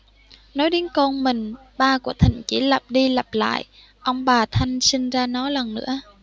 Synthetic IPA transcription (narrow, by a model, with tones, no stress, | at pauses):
nɔ˨˦jɗi˨˦nkɔ˧nmï˨˩ŋ̟ | ɓaː˧ku˧˩ət̪ʰï˧˨˩ŋ̟t͡ɕi˧˩lə˨˩p̚ɗi˧lə˨˩p̚la̰ː˧˨j | ʔə˧wŋ͡mɓaː˨˩t̪ʰa˧jŋ̟sï˧ŋ̟zaː˧nɔ˨˦lə˨˩ŋnɨ̰˧˥ə